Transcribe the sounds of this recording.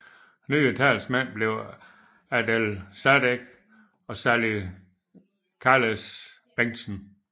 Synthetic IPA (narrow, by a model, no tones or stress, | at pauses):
nyːit͡sʰælsmæn̰b̥le̝ʊ | æd̥elsæɾeɡ̥ | ɒ̽sæli | kʰɑːles | b̥eŋ̰sn̩